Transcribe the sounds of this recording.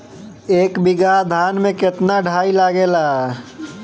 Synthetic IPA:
eːkbiɡad̪ʱaːnmẽkɪt̪naɖʱaːilaɡela

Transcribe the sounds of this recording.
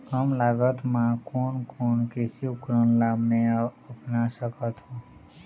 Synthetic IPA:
kəmlaɡət̪mãkoɳkonkesiukɾənlabneəpnaʃəkət̪ʰũ

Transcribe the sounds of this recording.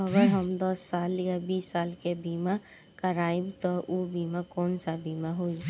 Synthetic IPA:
əɡəɾɦəmd̪ɔsːaːljabiːsːaːlkebiːma | kəɾaːibt̪ɔʔubimakɔːnsabiːmaɦoi

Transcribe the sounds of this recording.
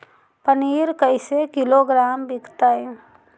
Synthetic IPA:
pəniːɾkəɪsekɪloɡɾaːmbɪkt̪aːɦɛ

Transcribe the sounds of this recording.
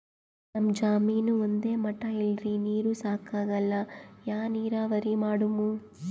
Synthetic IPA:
nɐmd͡ʒaːmiːnuond̪e̞ːmɐʈːɐilɾiniːɾusaːkaːɡɐlːɐjaːniːɾaːʋɐɾimaːɽumu

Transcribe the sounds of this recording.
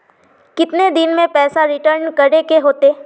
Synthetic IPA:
kɪt̪ned̪ɪnmẽpɛːsaɾɪʈəɾnkɐɾekeɦoːt̪eː

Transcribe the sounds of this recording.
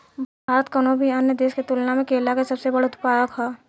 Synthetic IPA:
bʱaːɾət̪kənobʱiɐnjəd̪eːsket̪ʊlnamẽkeːlakesɐbsebɐɽʊt̪ʊ̥paːjəkɦaː

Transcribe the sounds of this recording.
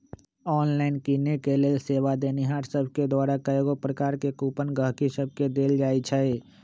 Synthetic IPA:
ɔːnlaːɪnkiːnekelelseːʋad̪eːniɦaːʈsəbʱked̪waːɾakəeɡopɾəkaːɾkekuːpənɡəɦkisəb̚ʱked̪eːld͡ʒaːit͡ʃʰɛe

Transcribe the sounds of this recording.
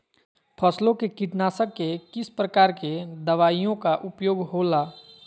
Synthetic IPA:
pʰəslõkekiʈnaːsəkːekɪspɾəkaːɾked̪əʋaːijõkaʔʊpjoːɡɦoːlaː

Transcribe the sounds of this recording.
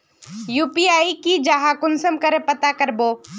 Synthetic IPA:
juːpiaːikid͡ʒaɦakʊnsəmkəɾepət̪akəɾboː

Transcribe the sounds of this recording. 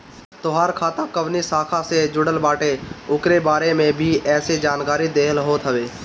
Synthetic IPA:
t̪ʊɦaːɾkʰaːt̪akəʋnisaːkʰãsed͡ʒʊɽəlbaːʈeʊkɾebaːɾemẽbʱiɛːsed͡ʒaːnkaːɾid̪eːɦəlɦoːt̪ɦəʋeː

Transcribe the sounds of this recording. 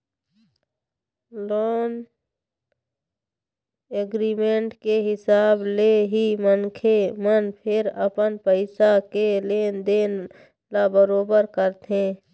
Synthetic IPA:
loːn | eɡɾiːmẽːɳʈkeɦɪsaːbleɦimənkʰemənpʰɪɾəpənpəɪsakeleːnd̪eːn | laːbəɾoːbəɾkəɾt̪ʰẽː

